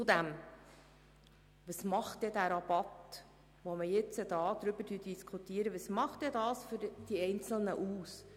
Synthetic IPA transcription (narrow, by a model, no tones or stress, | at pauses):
t͡sʊd̪æm | ʋəsmɑχtdɛdæːɾɑb̥ɑt̪ | ʋɔməjɪt͡səd̪ɑːd̪ɾʏbəɾdyd̥iskʰutiəɾəʋəsmɑχt̚ɛdɑːsfʏɾd̥iɛɪnt͡sl̩ˠnəʔuːs